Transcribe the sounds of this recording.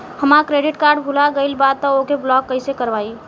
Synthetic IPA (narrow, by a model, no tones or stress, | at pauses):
həmakɾeɖiʈkaɾɖbʱulaɡəɪlbad̪̚t̪ːɔokeblɔɡ̚ːəɪsekəɾbai